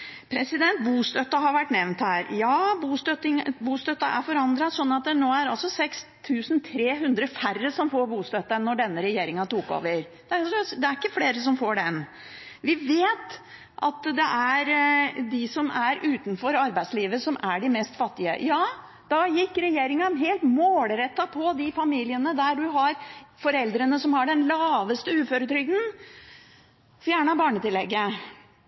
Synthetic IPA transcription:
pʰɾɛsɪd̪ɛnt̪̚buːst̪œt̪ːɑɦɑɾʋæʈːnɛʋnt̪hæːɾjɑːbuːst̪œt̪ɪŋbuːst̪œt̪ːɑʔæɾfɔɾɑnd̪ɾɑsɔnːɑt̪̚d̪ɛnoːæɾɑlsɔsɛkst̪ʰʉːsnt̪ʰɾeːɦʉnd̪ɾəfærəsɔmfoːɾbuːst̪œt̪ːɑɛnːɔɖɛnːəɾɛjeːɾɪŋɑt̪uːko̰ːʋəɾ | d̪̥ɛæsɔd̪ɛæɾɪkːəfleːɾəsɔmfoːɖɛn | ʋɪʋeːt̪ | ʔɑ̰t̪d̪ɛʔæɾd̪ɪsɔmæɾʔʉːt̪nfɔɾɑɾbæɪd̪sliːʋəsɔmʔæɖɪmɛst̪fɑt̪ːɪə̰jɑː | d̪̥ɑjɪkːɾɛjeːɾɪŋɑɦeːlt̪moːlɾɛt̪ːɑpʰɔd̪ɪfɑmiːlɪənəd̪æɖʉɦɑɾfɔɾɛld̪ɾənəsɔmhɑɖɛnlɑːʋəst̪əʉːføːɾət̪ʰɾʏɡd̪n̩ | fjæːɳɑbɑːɳət̪ɪlːɛɡːə

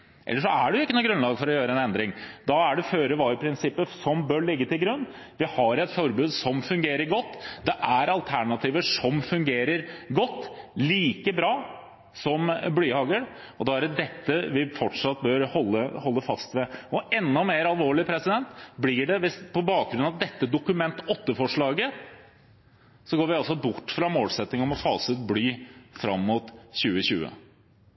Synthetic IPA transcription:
ʔɛ̰lːəʂɔæɖɛjʊɪkːənɔɡɾʉnlɑːɡfɔɾɔjøːɾəɛnɛnd̪ɾɪŋd̪ɑæɖɛføːɾəʋɑːɾɪpʰɾɪnsɪpːəsɔmbœɭɪɡːət̪ɪlɡɾʉnː | ʋɪhɑɾɛt̪fɔɾbʉːd̪sɔmfʉŋɡeːɾəɾɡɔt̪ːd̪ɛʔæɾɑlt̪ʰæɳɑt̪ʰiːʋəʂɔmfʉŋɡeːɾəɾɡɔt̪ːliːkəbɾɑː | sɔmblyːhɑːɡəɾ | ɔd̪ɑːæɾd̪ɛt̪ːəʋɪfɔʈʂɑt̪̚ːbœɾhɔlːəhɔlːəfɑst̪ʋɛɔʔɛnːɔmeːɾɑlʋoːɭɪpʰɾɛsɪd̪ɛnt̪blɪɖɛʋɪspʰɔbɑːk̚ɡɾʉnːɑd̪ɛt̪ːəd̪ʊkʉmɛnt̪ɔt̪ːəfɔʂɭɑːɡə | sɔɡoːɾʋɪɑlsɔbʊʈːfɾɑmoːlsɛt̪nɪŋɔmɔfɑːsət̪̚blyːfɾɑmːʊt̪ɕʉːəɕʉ̰ːə̰

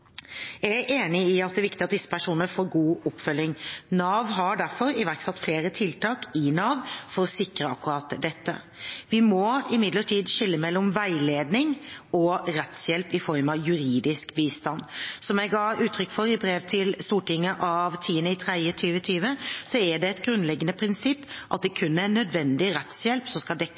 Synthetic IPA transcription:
jææʔeːnɪɪɑt̪d̪ɛːʋɪkt̪ɪɑt̪̚d̪ɪsːə̥pʰæʂuːnnəfoːɾɡuːɔpːfœlːɪŋnɑːʋɦɑɖæɾfɔɾɪʋæɾksɛt̪ːfleːɾət̪ʰɪlt̪ɑːkɪnɑːʋfɔɾɔsɪkɾəɑkːʉɾɑːt̪d̪ɛt̪ːə̰ | ʋɪmɔɪmɪd̪ləʈʰiːd̪ʃɪlːəmɛlːɔmʋæɪleːd̪nɪŋɔɾɛt̪sjɛlpɪfɔɾmɑʋjʉɾiːd̪ɪskbiːst̪ɑnsɔmjɛɪɡɑːʉːt̪ʰɾʏkːfɔɾɪbɾeːʋt̪ʰɪlst̪uːʈɪŋːəʔɑʋt̪ʰiːənəɪt̪ʰɾæɪət̪ʰyːʋət̪ʰyːʋəsɔæɖɛɛt̪ɡɾʉnlɛɡːənəpʰɾɪnsɪpːʔɑt̪̚d̪ɛkʰʉnːəænœd̪ʋɛnd̪ɪɾɛt̪sjɛlpsɔmskɑld̪ɛkː

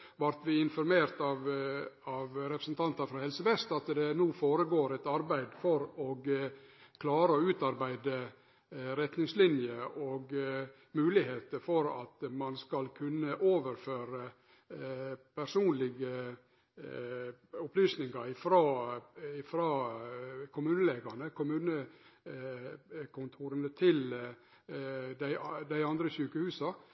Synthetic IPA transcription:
ʋɑɾt̪ʋɪɪnfɔɾmeːɾt̪ɑʋɑʋɾɛpɾəsnt̪ʰɑnt̪ɑfɾɑhɛlsəʋɛst̪ɑt̪d̪ɛnuːfoːɾəɡoːɾæɪt̪ɑɾbæɪd̪fɔɾɔɡ | kʰlɑːɾəɔʉːt̪ɑɾbæɪd̪ə | ɾɛt̪nɪŋslɪnjəʔɔɡ | mʉːlɪheːt̪əfɔɾɑ̰t̪mɑnskɑlkʰʉnːəʔoːʋəɾføːɾə | pʰæɾsuːnlɪɡə | ʊplyːsnɪŋɑɾɪfɾɑːɪfɾɑː | kʰʊmʉːnəleːɡɑnəkʰʊmʉːnə | kʰʊnt̪ʰuːɾənət̪ʰɪl | d̪æɪd̪æɪɑnd̪ɾəçʉːkəhʉːsɑ

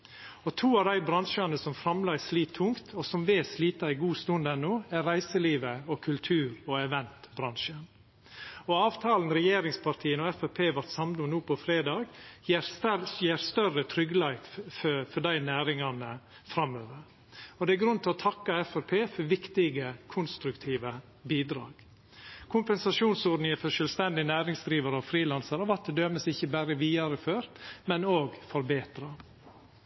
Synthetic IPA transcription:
ɔt̪ʰuːɑʋd̪æɪbɾɑnʂɑnəsɔmfɾɑmlɑɪsliːt̪ʰːʊŋt̪ʰɔsɔmʋeːsliːt̪ɑɪɡuːst̪ʉnd̪ɛnːoːæɾɾæɪsəliːʋəɔkʰʉlt̪ʰʉːɾɔɛʋɛnt̪bɾɑnʃən | ɔɑːʋt̪ʰɑːln̩ɾɛjeːɾɪŋspʰɑɾt̪ʰiːənɔɛfɛpʰeːʋɑɾʈ̪sɑmd̪ʊnuːpʰɔfɾeːd̪ɑːɡjeːɾjeːɾst̪œɾət̪ʰɾʏɡlɑɪffɔɖæɪnæːɾɪŋɑnə | fɾɑmːøːʋəɾ | ɔd̪ɛæɾɡɾʉnt̪ʰɪlɔt̪ʰɑkːɑɛfæɾpʰeːfɔɾʋɪkt̪ɪɡəkʰʊnst̪ɾʉkt̪ʰiːʋə | biːd̪ɾɑːɡ̥ | kʰʊmpɛnsɑʂuːnsɔɖnɪŋəfœɾʂœːlst̪ɛnd̪ɪnæːɾɪŋsd̪ɾiːʋɑɾəɔfɾiːlɑnsəɾɑʋɑʈ̪̚d̪ɛd̪øːməsɪçːəbæːɾəʋiːɑɾəføːɾt̪mɛnoːɡfɔɾbeːt̪ɾɑ

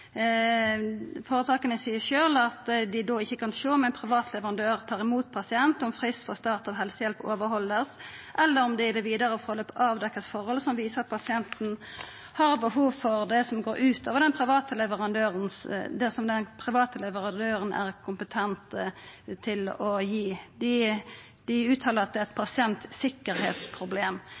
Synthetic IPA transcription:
foːɾət̪ʰɑːkənəsiːəʃøːlɑt̪d̪ɪd̪oːɪçːəkʰɑnʃoːmɛɪnpʰɾɪʋɑːt̪ʰlɛʋəʁɑnd̪øːʁt̪ʰɑːʁɪmuːt̪̚pʰɑsɪɛnt̪ɔmfʁɪst̪fɔst̪ɑːʁt̪ɑʋɦɛlsəjɛlpoːʋəɾhɔlːəʁsʔɛlːəɾɔmd̪ɪɪd̪ɛʋiːd̪ɑɾəɔfɔʁɔløːpɑʋd̪ɛkːəsfɔɾhɔlsɔmʋiːsəʁɑt̪̚pʰɑsɪɛnt̪n̩ | hɑʁbəhuːʋfɔʁd̪ɛsɔmɡoːɾʔʉːt̪ʰoːʋəʁd̪ɛnpʰɾɪʋɑːt̪əlɛʋəʁɑnd̪øːʁənsd̪ɛsɔmd̪ɛnpʰɾɪʋɑːt̪əlɛʋəʁɑd̪øːɾənʔæ̰ʁkʰʊmpət̪ʰɛnt̪ət̪ʰɪlɔjiːd̪ɪ | d̪̥ɪʉːt̪ʰɑːləʁɑt̪̚d̪ɛt̪̚pʰɑsɪɛnt̪sɪkːəɾhḛːt̪spʰɾʊbleːm

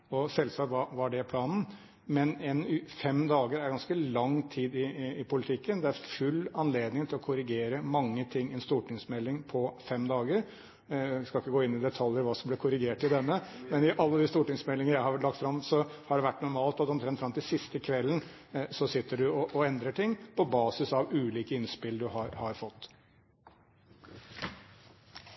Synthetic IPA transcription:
ɔsɛlsɑːkʋɑʋɑɖɛpʰlɑːnn̩ | mɛnɛnfɛmd̪ɑːɡəɾæɾɡɑnskəlɑŋt̪ʰiːd̪ɪːpʊlɪt̪ʰɪkːənd̪ɛæɾfʉlːɑnleːd̪nɪŋt̪ʰɪlɔkʰʊɾɪɡeːɾəmɑŋːət̪ʰɪŋːɛnst̪uːʈɪŋsmɛlːɪŋpʰɔfɛmd̪ɑːɡəɾ | skɑlɪkːəɡoːɪnːɪd̪ɛt̪ʰɑljəɾʋɑːsɔmblɛkʰʊɾɪɡeːʈɪd̪ɛnːəmɛnɪʔɑlːəd̪ɪst̪uːʈɪŋsmɛlːɪŋəɾjæɪhɑʋlɑk̚t̪fɾɑmsɔhɑɖɛʋæʈːnʊɾmɑːlt̪ɑt̪ːɔmt̪ʰɾɛnt̪fɾɑmt̪ʰɪlsɪst̪əkʰʋɛlːən̩ | sɔsɪt̪ːəɖʉɔʔɔɛnd̪ɾəʈʰɪŋːpʰɔbɑːsɪsɑʋʉːliːkəɪnspɪlɖʉhɑɾhɑɾfɔt̪ː

